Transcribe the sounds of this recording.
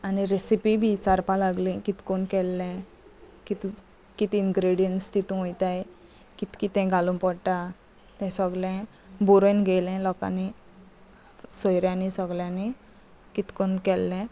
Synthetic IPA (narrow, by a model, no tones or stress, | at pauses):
aniɾesipibʱit͡saɾpalaɡlĩkit̪konkɛlːɛ̃ | kit̪ | kit̪iiŋɡɾeɽijənst̪it̪ũojt̪aj | kit̪kit̪ɛ̃ɡʱalũnpɔɽʈa | t̪ɛ̃səɡlɛ̃ | buɾojnɡelɛ̃lɔka̰ni | sɔjɾjãnisəɡljãni | kit̪konkɛlːɛ̃